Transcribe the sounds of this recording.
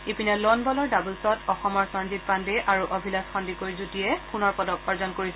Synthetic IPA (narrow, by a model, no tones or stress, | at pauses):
epinɛlɔnbɔlɔɹdabulsɔtɔxɔmɔɹsanzit̚pandɛʔaɹuʔɔbʱilasxɔndikoɹjzutijɛxunɔɹpɔdɔk̚ɔɹzɔnkoɹis